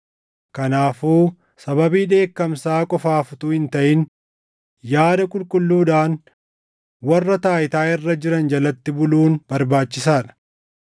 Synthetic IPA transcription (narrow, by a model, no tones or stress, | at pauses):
kɐnaːfuː | sɐbɐbiːᶑe̞ːkːɐmsaːkʼɔfaːfʊt̪ʊhɪnt̪ɐʔɪn | jaːd̪ɐkʼʊlkʼʊlːuːᶑaːn | wɐrːɐt̪aːjɪt̪aːɪrːɐd͡ʒɪɾɐnd͡ʒɐlɐt̪ːɪbʊluːnbɐɾbaːt͡ʃːɪsaːᶑɐ̥